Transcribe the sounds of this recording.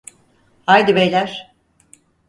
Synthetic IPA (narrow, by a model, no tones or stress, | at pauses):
hajd̪ibejlʲæɾ̥